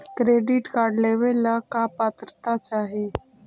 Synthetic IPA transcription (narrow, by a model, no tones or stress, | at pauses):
kɾeːɖɪʈkaːɾɖleːʋelakapat̪ɾət̪at͡ʃaːɦie